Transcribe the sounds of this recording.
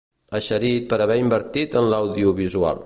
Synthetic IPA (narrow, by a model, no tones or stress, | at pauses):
əʃəɾit̪̚pəɾəβɛimbəɾt̪it̪ənləwðiuβizua̰lˠ